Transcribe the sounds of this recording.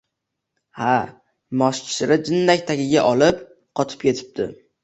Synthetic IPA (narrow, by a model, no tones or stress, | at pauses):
ha | mɒst͡ʃʰɪ̥sɪɾɪd͡ʒɪnːakʲt̪ʰakʲɪɡʲaʔɒlɪp̚ | qʰɒt̪ʰɪ̥p̚kʲe̞t̪ʰɪ̥p̚d̪̥ɪ̰